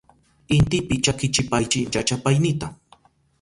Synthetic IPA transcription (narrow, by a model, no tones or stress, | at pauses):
ɪnt̪ɪpɪt͡ʃakɪt͡ʃɪpajt͡ʃɪjat͡ʃapajnɪt̪a